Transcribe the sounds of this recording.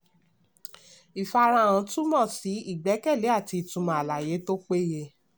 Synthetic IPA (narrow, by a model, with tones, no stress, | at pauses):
i˨fa˧ɾã˧˦˨ã˨˧˦tũ˦mɔ̃˦˨si˨˦i˦˨ɡ͡bɛ˨˦kɛ˦˨le˨˦a˦˨ti˧˨tũ˧mã˨a˨la˨je˨˦to˦k͡pe˦je˦